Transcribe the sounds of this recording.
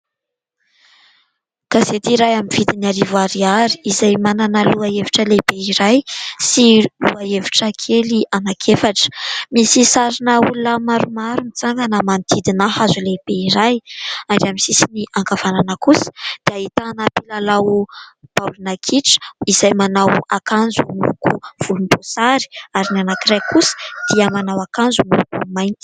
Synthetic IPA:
kazet̪iɾajaminv̥id̪inaɾivuaɾiaɾi̥izajmananaluaeviʈ͡ʂəlebeiɾajsiluaeviʈ͡ʂəkʰelianakʰefaʈ͡ʂə̥misisaɾinəulunəmaɾumaɾumit͡saŋɡənamant̪ʰid̪inaɦazuleb̥eiɾajaɳɖ͡ʐamisisiniʔaŋkav̥ananəkusə̥d̪̥eaɦit̪anapilalawb̥awlinakʰiʈ͡ʂə̥izajmanawakanzumilukuv̥ulumbosaɾi̥aɾinanakiɾajkʰusə̥d̪̥iəmanawakanzumilukumajnt̪i̥

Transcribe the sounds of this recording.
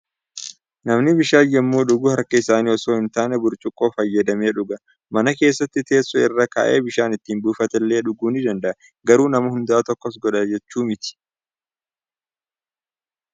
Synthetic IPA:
nɐmnɪbɪʃaːjɛmːuːᶑʊɡʊhɐɾkɐɪsaːniːɔso̞ːɪnt̪aːnɛbʊɾt͡ʃʼʊkʼːo̞ːfɐjːɐd̪ɐmeːᶑʊɡɐ | mɐnɐke̞ːsːɐt̪ːɪt̪ʰe̞ːsːɔɪrːɐka̰ːʔe̞̰ːbɪʃaːnɪt̪ːiːnbuːfɐt̪ɛlːe̞ːᶑʊɡuːnɪd̪ɐnd̪ɐʔɐ | ɡɐɾuːnɐmɐhʊnd̪aːt̪ɔkːɔs̬ɡɔᶑɐd͡ʒɛt͡ʃːuːmɪt̪ɪ̥

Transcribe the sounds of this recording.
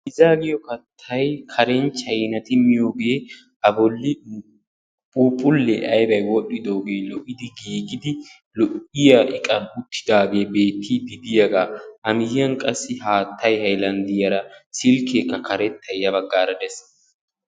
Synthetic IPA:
ʔɪzaːɡɪjɔkɐt̪ʰːɐjkʰɐɾɛnt͡ʃːɐjnɐt̪ɪmɪjo̞ːɡe̞ː | ɐbɔlːɪ | pʼuːpʼːʊlːɛʔɐjbɐjwɔɗːɪd̪o̞ːɡeːlɔʔɪd̪ɪɡiːɡɪd̪ɪ | lɔʔɪjaʔɪkʼɐnʊt̪ʰːɪ̥d̪aːɡe̞ːbe̞ːt̪ʰːid̪ɪd̪ɪjɐɡaːʔɐmɪjjɐnkʼɐsːɪɦaːt̪ʰːɐjhɐjlɐnd̪ɪjɐɾɐsɪlkeːkːɐkʰɐɾɛt̪ːɐjɐbɐɡːaːɾɐd̪ɛs

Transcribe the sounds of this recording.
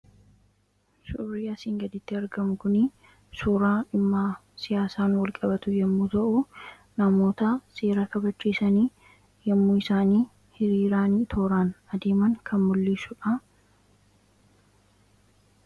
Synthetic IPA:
sʊrːɪjɐsɪːŋɡɐd̪ɪt̪ːɪɐɾɡɐmʊkʊnɪ | suːɾaːɪmːaː | sɪjaːsaːnwɐlkʼɐbɐt̪ʊjɛmːuːt̪ɐʔʊ | nɐmo̞ːt̪ɐse̞ːɾɐkɐbɐt͡ʃːiːsɐniː | jɛmːuːɪsaːniː | hɪɾiːɾaːniːt̪ʰoːɾaːnɐd̪e̞ːmɐŋkʰɐnmʊlːiːsʊᶑɐ

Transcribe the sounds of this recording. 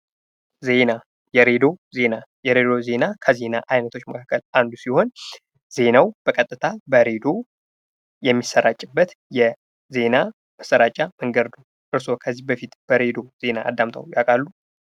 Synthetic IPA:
ze̞na | jɛɾe̞d̪o̞ze̞najɛɾe̞d̪o̞ze̞nakʰəze̞naʔajnət̪ʰo̞t͡ʃːməkʰakːəlʔand̪usiho̞n | z̥e̞nawb̥əkʼət̪ʼːɨt̪ʰabəɾe̞d̪o̞ | jɛmːisːəɾat͡ʃʼɪbːət̪ | jɛ | ze̞na | məsəɾat͡ʃʼaməŋɡəɾd̪u | ʔɨɾso̞kʰəzːihbəfit̪b̥əɾe̞d̪o̞ze̞na̰ːd̪ːamt̪ʰʼə̰wjakʼalːu

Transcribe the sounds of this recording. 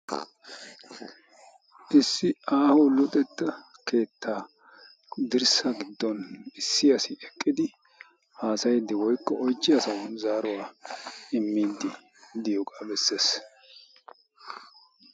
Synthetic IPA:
ʔɪsːɪaːhɔwlɔt̪ʼɛt̪ːɐke̞ːt̪ʰːaː | d̪ɪɾsɐɡɪd̪ːɔnɪsːɪjɐsɪʔɛkʼːɪd̪ɪ | haːsɐjd̪ɪwɔjkːɔɔjt͡ʃːɪjɐsɐwʊnzaːɾʊwaːɪmːiːd̪ːɪ | d̪ɪjɔkʼɐbɛsːeːs

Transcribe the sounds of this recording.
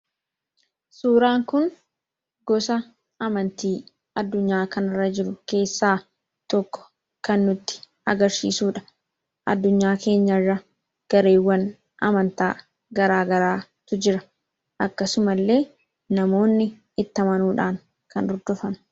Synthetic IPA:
suːɾaːŋkʊn | ɡɔsɐ | ɐmɐnt̪iː | ɐd̪ːʊɲːaːkɐnɪrːɐd͡ʒɪɾʊke̞ːsːaː | t̪ɔkːɔ̥ | kɐnːʊt̪ːɪ̥ | ɐ̰ɡɐɾsḭːsuːᶑɐ̥ | ʔɐd̪ːʊɲːaːke̞ːɲːɐrːɐ | ɡ̥ɐɾe̞ːwːɐn | ʔɐ̰mɐnt̪aː | ɡɐɾaːɡɐɾaːt̪ʊd͡ʒɪɾɐ | ʔɐkːɐsʊmɐlːe̞ː | nɐmo̞ːnːɪ | ɪt̪ːɐmɐnuːᶑaːŋ | kɐnɔɾd̪ɔfɐn

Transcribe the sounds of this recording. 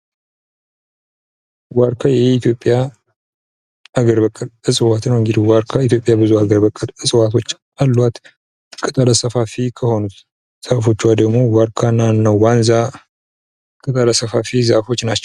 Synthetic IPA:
waɾkʰajɛit̪jo̞pʼja | aɡəɾbəkʼːəlɨsʼɨwat̪nəwɨŋɡɨd̪iwaɾkʰait̪̬jo̞pʼːjabɨzuaɡəɾbəkʼːəlɨsʼɨwat̪ʰo̞t͡ʃː | alːat̪ | kʼɨt̪ʼaləsəfafikʰəho̞nut̪ | z̥afo̞t͡ʃːwad̪əɡmo̞waɾkʰanːanːawwanza | kʼɨt̪ʼaləsəfafizafo̞t͡ʃːnat͡ʃːɛw

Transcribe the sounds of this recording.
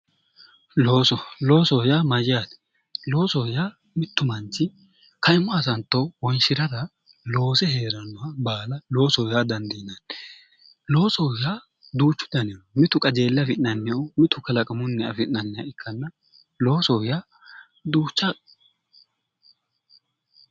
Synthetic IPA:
loːsɔlo̞ːsɔwjaːmɐd͡ʒɪjaːt̪ɛ̥ | lo̞ːsɔjaː | mɪt̪ːʊmɐnt͡ʃɪ | kɐɪmːɔɐsɐnt̪ːɔwwɔɪnʃɪɾɐd̪ɐ | lo̞ːsɛhe̞ːɾɐnːɔhɐbaːlɐlo̞ːsɔwjaːd̪ɐnd̪inɐn | lo̞ːsɔwjaː | d̪uːt͡ʃːʊ̥d̪ɐnɪjomɪt̪ʊkʼɐd͡ʒe̞ːlːɐfɪnɐnːɪjɔmɪt̪ʊkɐlɐkʼɐmʊnːɛɐ̰fɪʔnɐnːɪjɐ̰ɪkʰːɐnːɐ | lo̞ːsɔwjaː | d̪uːt͡ʃːa

